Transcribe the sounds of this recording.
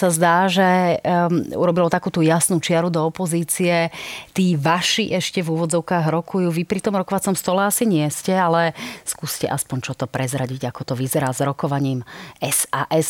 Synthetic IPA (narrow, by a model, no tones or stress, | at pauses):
sazd̪aːʒɛ | ṵɾɔbilɔt̪akuːt̪ujasnut͡ʃɪaɾud̪ɔɔpɔziːt͡siɛt̪iːʋaʃiʔɛʃcɛvuːʋɔd͡zɔʊkaːɣɾɔkʰujuːʋipɾit̪ɔmɾɔkɔʋat͡sɔmst̪ɔlɛasiɲɪɛscɛalɛskuːscɛʔaspɔɲt͡ʃɔt̪ɔpɾɛzɾaɟiɟakɔt̪ɔʋizɛɾaːzɾɔkɔʋaɲiːmɛsaːʔɛs